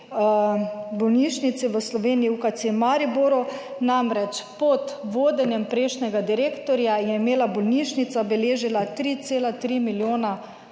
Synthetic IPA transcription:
bɔlniːʃnit̪siʋəslɔʋeːnijiukat̪semaɾiboɾɔ | namɾɛt͡ʃpɔt̪ʋoːd̪ɛnjɛmpɾeːʃnɛɡad̪iɾeːkt̪ɔɾjajɛimeːlabɔlniːʃnit̪sabɛleːʒilat̪ɾiːt̪seːlat̪ɾimiljoːna

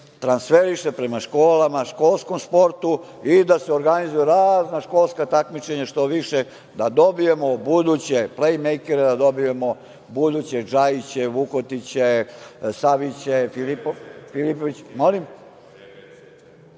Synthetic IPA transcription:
t̪ɾansfe̞ɾiʃe̞pɾe̞maʃko̞ːlamaʃko̞lˠsko̞mspo̞ɾt̪u | id̪aseo̞ɾɡanizujeɾaːznaʃko̞lˠskat̪akmit͡ʃe̞ɲaʃt̪o̞ʋiʃe̞ | d̪ad̪o̞bije̞mobud̪ut͡ɕe̞plejmejkeɾed̪ad̪o̞bije̞mo | bud̪ut͡ɕe̞d͡ʒajit͡ɕe̞ʋukot̪it͡ɕesaʋit͡ɕefilipofilipoʋit͡ɕmo̞lim

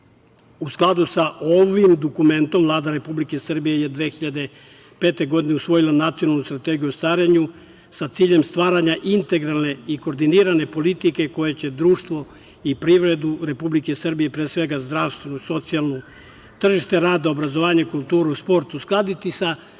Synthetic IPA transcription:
usklˠad̪usaʔo̞ʋimd̪okume̞nt̪o̞mvlˠaːd̪aɾe̞publike̞sər̩bije̞jed̪ʋeːxiʎad̪e̞ | pe̞ːt̪e̞ɡo̞d̪ine̞usʋo̞jilˠanat̪sio̞nalnust̪ɾat̪eɡiuost̪aːɾeɲu | sat̪siːʎe̞mst̪ʋaːɾaɲaʔint̪e̞ɡɾalne̞iko̞ːɾd̪iniːɾane̞po̞lit̪ike̞ko̞jet͡ɕe̞d̪ɾuːʃt̪ʋo̞ | ipɾiʋɾe̞d̪uɾe̞publike̞sərbijepɾesʋe̞ɡazd̪ɾaʋst̪ʋenoso̞t̪sijalˠno | t̪r̩ʒiʃt̪e̞ɾaːd̪ao̞bɾazo̞ʋaːɲaikulˠt̪uːɾuuspo̞ɾt̪usklˠad̪it̪isa

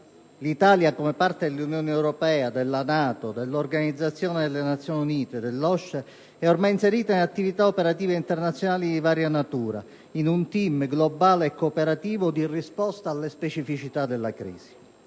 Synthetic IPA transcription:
lit̪aːljakomepart̪ed̪elːunjɔːnɛwɾɔpɛːad̪elːanaːt̪od̪elːorɡanid̪zːat̪sːjɔːned̪elːenat̪sːjoːniuniːt̪ed̪elːɔʃːe | ɛormajinseɾiːt̪ainat̪ːivit̪aopeɾat̪iːveint̪ernat̪sːjonaːlid̪ivaːɾjanat̪uːɾa̰ | inunt̪imɡlobaːleːkːopeɾat̪iːvod̪irispɔst̪aːlːespet͡ʃifit͡ʃit̪ad̪elːakɾḭːz̥i̥

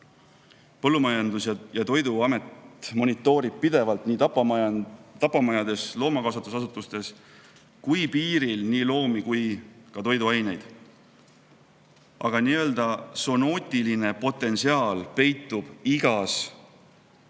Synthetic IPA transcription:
pɤlːumɑjɑnd̪usjɑjɑt̪o̞jd̪uɑme̞t̪mo̞nʲit̪ːˑo̞ːɾib̥̚pid̪e̞vɑlt̪niː | t̪ɑpːɑmɑjɑd̪̥e̞slo̞ːmɑkɑs̬ɑt̪ːusɑsut̪ːˑust̪e̞s | kujpiːɾilniːlo̞ːmikujkɑt̪o̞jd̪uɑjne̞jd̪̥ | ʔɑɡ̥ɑniːø̞ld̪ɑso̞no̞ːt̪ʲːiline̞po̞t̪ːˑe̞nsiɑːlpe̞jt̪ˑːub̥iɡ̥ɑs

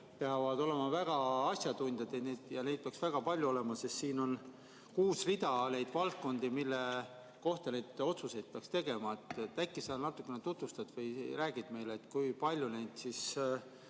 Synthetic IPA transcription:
peɑvɑd̪̥o̞le̞mɑvæɡ̥ɑɑsʲjɑt̪unʲd̪jɑd̪ened̪̥jɑne̞jd̪̥̚peɑksvæɡ̥ɑpɑlʲjuo̞le̞mɑsest̪siːno̞n | kuːsrid̪̥ɑle̞jd̪vɑlt̪̚ko̞nd̪̥imilːe̞ | ko̞ht̪ɑne̞jd̪̥o̞t̪suse̞jd̪̚peɑkst̪e̞ɡe̞mɑet̪ːet̪ːækːˑisenɑt̪ːˑukːˑenet̪ut̪vust̪ɑd̪̥vɤjɾæːɡ̥id̪̥me̞jleːt̪ːˑkujpɑlʲjune̞jd̪̥siːs

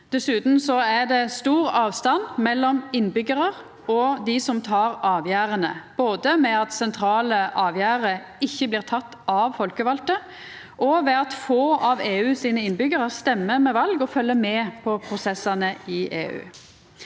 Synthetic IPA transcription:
d̪̥ɛsʉːt̪n̩sɔæd̪ɛst̪uːʁɑːʋst̪ɑnmɛlːɔmɪnːbʏɡəʁəʁ | ɔd̪ɪsɔmt̪ʰɑːʁɑːʋjæːʁənəb̥oːd̪əmɛɑt̪sɛnt̪ʰɾɑːləʔɑːʋjæːʁə | ɪçːəbliːʁt̪ʰɑt̪ːɑʋfɔlkəʋɑlt̪ə | ʔɔʋɛɑt̪foːɑʋeːʉːsiːnəɪnbʏɡəʁəst̪ɛmːəmɛʋɑlɡɔfœlːəmɛːpʰɔpʰɾʊsɛsɑnəɪʔḛːʉ̰ː

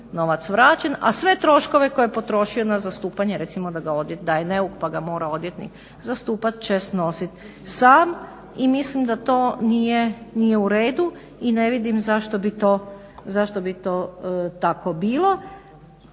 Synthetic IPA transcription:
no̞ʋat̪sʋɾaːt͡ʃena̰sʋe̞t̪ɾo̞ʃko̞ʋe̞kojepo̞t̪ɾo̞ʃio̞nazast̪uːpaɲeɾe̞t̪simo̞d̪aɡao̞d̪jet̪̚d̪ajeneukpaɡamo̞ːɾao̞d̪jet̪nḭk | zast̪uːpat̪t͡ʃest̪no̞sit̪ | saːm | imislimd̪at̪o̞ːnije̞nije̞uɾe̞ːd̪u | ine̞ʋid̪imzaʃt̪o̞bit̪oː | zaʃt̪o̞bit̪o̞ːt̪ako̞biːlˠo̞

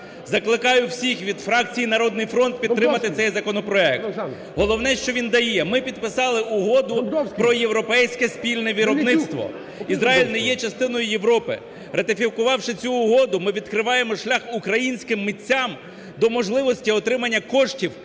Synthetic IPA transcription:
zɐklˠɪkɑjʊwsʲixʋʲid̪fɾɑk̚t͡sʲijinɐɾɔd̪nɪjfɾɔnt̪̚pʲid̪tt̪ɾɪmɐt̪ɪt̪sɛjzɐkɔnɔpɾɔɛk̚t̪ | ɦɔlˠɔwnɛʃt͡ʃɔʋʲind̪ɐjɛmɪpʲid̪̚pɪsɑlˠɪʊɦɔd̪ʊpɾɔjewɾɔpɛjsʲkɛspʲilʲnɛʋʲiɾɔbnɪst̪ʋɔ̰ | izɾɑɦilʲnɛjɛt͡ʃɐst̪ɪnɔjʊje̞ʋɾɔpɪ̰ | rɐt̪ɪfʲikʊʋɑwʃɪt͡sʲuːɦɔd̪ʊmɪʋʲid̪kɾɪʋɑje̞mɔʃlʲaxʊkɾɐjinʲsʲkɪmːit͡sʲːam | d̪ɔmɔʒlˠɪʋɔsʲtʲiɔt̪ɾɪmɐnʲːɐkɔʃtʲiw

